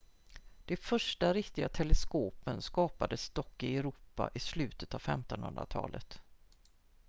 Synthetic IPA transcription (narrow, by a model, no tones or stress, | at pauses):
d̪̥ɛfœʂʈaɾɪkt̪ɪɡat̪ʰɛlɛskoːpənskɑːpad̪əst̪ɔkːɪɛɾuːpːa̰ʔɪslʉ̟ːt̪ə̥t̪avfɛmt̪ɔnhɵ̰nd̪ɾa̰t̪ʰɑ̰ːlʔə̰t̪